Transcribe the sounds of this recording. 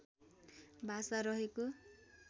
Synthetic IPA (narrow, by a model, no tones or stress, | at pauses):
bʱasaɾʌɦeko